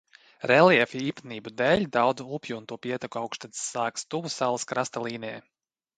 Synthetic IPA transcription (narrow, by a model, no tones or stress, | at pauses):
ɾɛlˠiɛfʲiiːp̪niːbud̪ɛːlʲd̪awd̪zuupʲjuːnt̪uɔpʲiɛt̪akuawkʃt̪at̪sːaːkst̪uvusalˠaskɾast̪alˠiːnʲɛɛ